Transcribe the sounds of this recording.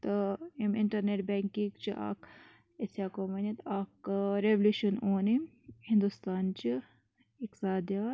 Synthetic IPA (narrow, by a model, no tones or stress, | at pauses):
t̪ɐimɪɳʈɐɾneʈbɛːŋkĩɡt͡ʃiʔa̰ːk | esaːkoːmɐnit̪aːkɾeʋluːʃɐnoːni | hɪ̃nd̪ust̪aːnt͡ʃi | ɪksaːd̪ijaː